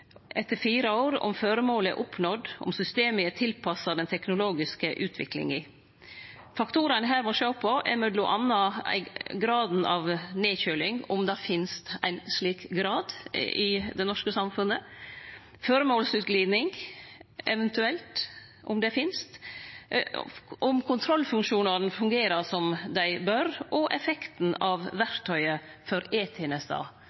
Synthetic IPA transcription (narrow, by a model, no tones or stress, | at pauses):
ʔɛt̪ːəɾfiːɾəoːɾʊ̰mføɾəmoːlɛ̰ʔʊpnɔd̪ʊ̰msʏst̪eːməət̪ʰɪlpʰɑsɑd̪ɛnt̪ʰɛknʊloːɡɪskəʔʉːt̪ʰʋɪ̰klɪ̰ŋɪ | fɑkt̪ʰuːɾɑnəɦæːɾmɔʃøːpʰɔɛ̰mœd̪lʊʔɑnːɑæ̰ɪɡɾɑːd̪n̩ɑʋneːçøːlɪŋʊmd̪ɑfɪnst̪æ̰ɪnsɭiːkɡɾɑːd̪ʔɪd̪ɛnɔʂkəsɑmfʉnːə | fɔɾəmoːlsʉːt̪̚ɡliːd̪nɪŋ | ɛʋɛnt̪ʉɛlt̪ | ʔʊ̰md̪ɛfɪnst̪ | ʔʊmkʰʊnt̪ʰɾɔlːfʉŋkʂuːnɑɾnfʉŋɡeːɾəsɔmd̪æɪbœɾʔɔʔɛfɛkt̪n̩ɑʋʋæɾt̪ʰːœʏəfɔɾeːt̪ʰeːnɛsd̪ɑ̰ː